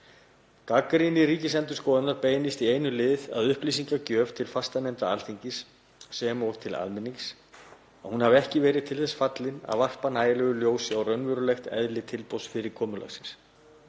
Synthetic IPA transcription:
kakɾinɪɾriːcɪsɛnt̪ʏ̥skɔːðanaɾpeːjnɪst̪iejnʏlɪða̰ðʏhplis̬iŋkacœːv̥t̪ʰɪlfast̪anɛnt̪aa̰lθiɲcɪsː | ɛmɔɾ̥t̪ʰɪla̰ðmɪnːiŋs | ahunhavɛhcɪvɛːɾɪðt̪ʰɪlθɛsfat̪lɪna̰ðvar̥panaːjalɛɣʏljoːwsɪawrœɥnvʏɾʏlɛxt̪ɛ̰ðlɪt̪ʰɪlpowsfɪɾɪɾkʰɔːmʏla̰xsɪ̥ns

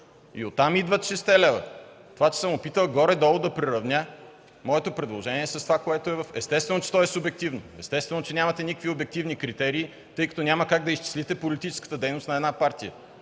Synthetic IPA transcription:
ḭot̪ːamid̪vət̪ʃɛst̪ɛlɛvə̰ | t̪ovat͡ʃɛ̥səmopit̪əlˠɡɔɾɛd̪ɔlˠod̪ɐpɾiɾɐvnʲja | mɔɛt̪opɾɛd̪lˠoʒɛnʲiɛsɐst̪ovakoɛt̪oɛvəfɛst̪ɛst̪vɛnot͡ʃɛ̥t̪ɔɛsʊbɛk̚t̪ivnoɛst̪ɛst̪vɛnot͡ʃɛnʲamɐt̪ɛnikəkviobɛk̚t̪ivnikɾit̪ɛɾiː | t̪ɤjkɐt̪ɔnʲaməkaɡ̚d̪ɐist͡ʃi̥slit̪ɛpolit̪it͡ʃɛ̥skə̥t̪əd̪ɛjnoʊst̪nɐɛd̪napaɾt̪ijə̰

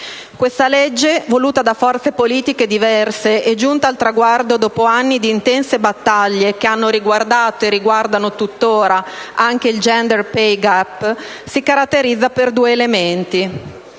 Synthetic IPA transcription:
kwest̪aled͡ʒːevoluːt̪ad̪afɔrt̪sepoliːt̪iked̪ivɛrseʔed͡ʒunt̪aːlt̪ɾaɡward̪od̪ɔːpoanːid̪iːnt̪ɛnsebat̪ːaʎːekeanːoɾiɡward̪aːt̪oeriɡward̪anot̪ut̪ːoːɾaʔaŋk̟eild͡ʒɛnd̪erpejɡapː | sikaɾat̪ːeɾid̪zːaperd̪uːeːlement̪i

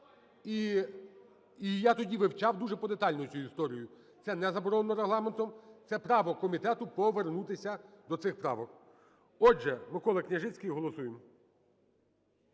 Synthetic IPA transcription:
i | ijat̪ɔdʲiʋɪwt͡ʃɑwd̪uʒɛpɔd̪et̪ɑlʲnɔjʊt͡sʲujʊist̪ɔɾʲijʊ | t̪sɛnɛzɐbɔɾɔnnːɔɾeɦlˠɑment̪ɔmt̪sɛpɾɑʋɔkɔmʲit̪ɛt̪ʊpɔʋernut̪ɪsʲɐd̪ɔt̪sɪxpɾɑ̰ʋɔk | ɔd͡ʒɛmɪkɔlˠɪknʲɐʒɪt͡sʲkʲɐjiɦɔlˠɔsujem

